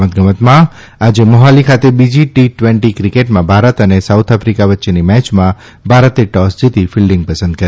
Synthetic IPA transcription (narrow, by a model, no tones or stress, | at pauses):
mət̪̚ɡəmət̪mã | ad͡ʒemɔɦalikʰat̪ebid͡ʒiʈiʈʋẽɳʈikɾikeʈmãbʱaɾət̪ənesawt̪ʰafɾikaʋətːʃenimɛt͡ʃmã | bʱaɾət̪eʈɔsd͡ʒit̪ifʰilɖɪ̃ŋɡ̚pəsə̃nd̪̚kəɾ